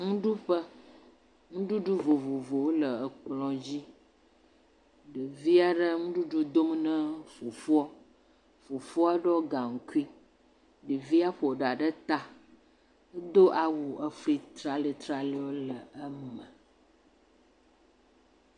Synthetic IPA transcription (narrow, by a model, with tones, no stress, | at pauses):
ŋũ˦ɖu˦ɸə˦ | ŋũ˦ɖu˦ɖu˦vo˨vo˨vo˨wo˦lə˨ə˨k͡plɔ̃˦d͡ʑi˦ | ɖə˨vi˦a˦ɖə˦ŋũ˦ɖu˦ɖu˦d̪o˦mnə̃˦fo˨fu˦ɔ˦ | fo˨fo˦a˦ɖɔ˦ɡa˨ŋ̩˨ku˦i˦ | ɖə˨vi˦a˦ɸo˨o˨ɖa˨ɖə˦t̪a˦ | ə˦d̪o˦ʔa˨wu˨ʔə˦fi˦t̪ɾa˨le˦t̪ɾa˦le˦wo˦lə˨ə˦mə˨